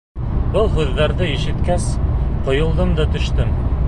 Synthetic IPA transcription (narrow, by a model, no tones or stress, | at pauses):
bɤlˠɦʉðːæɾðɘiʃɘ̆t̪kæsqŏjŏlˠd̪ɤmd̪ɑt̪ɵ̆ʃt̪ɘm